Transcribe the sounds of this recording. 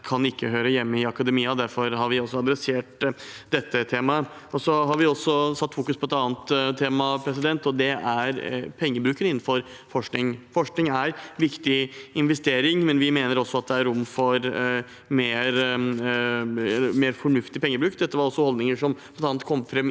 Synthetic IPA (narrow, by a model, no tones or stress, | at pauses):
kʰɑnɪkːəɦøːɾəjɛmːəɪɑkɑd̪əmiːɑd̪æɾfɔɾɦɑɾʋɪɔsːɔɑd̪ɾɛseːʈd̪ɛt̪ːət̪ʰeːmɑ | ɔsɔɦɑɾʋɪɔsːɔsɑt̪ːfuːkʉspʰɔɛt̪ɑːnt̪t̪ʰːeːmɑpʰɾɛs̬ɪd̪ɛnt̪ɔd̪ɛæɾpʰɛŋːəbɾʉːkənɪn̩fɔɾ | fɔʂknɪŋfɔʂknɪŋæɾʋɪkt̪ɪɪnʋɛst̪eːɾɪŋmɛnʋɪmeːnəɾɔsːɔɑt̪̚d̪ɛæɾʊmːfɔɾ | meːɾ | ɛlːəmeːɾfɔɳʉft̪ɪpʰɛŋːəbɾʉːkd̪ɛt̪ːəʋɑɾɔsːɔhɔld̪nɪŋəʂɔmʰɔɛt̪ɑːnt̪̚kʰɔmːfɾɛm